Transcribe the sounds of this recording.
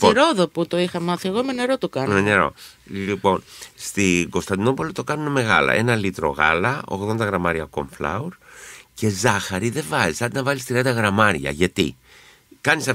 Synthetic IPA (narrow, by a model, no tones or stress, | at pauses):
oɾoðoput̪o̞ixɐmɐθieɣomeneɾot̪okɐneneɾo̰ | lipo̞nst̪iɡo̞st̪ɐnd̪ino̞po̞lit̪o̞kɐnuneme̞ɣɐ̰lɐ̰ʔe̞nɐlit̪ɾo̞̰ɣɐ̰lɐo̞̰ɣðo̞nd̪ɐɣɾɐmɐɾiɐko̞̰mflɐ̰uɾce̞zɐxɐɾiðe̞vɐzisɐnd̪inɐvɐlist̪ɾiɐnd̪ɐɣɾɐmɐɾɐ̰ʝɐt̪ḭ | kɐnisɐf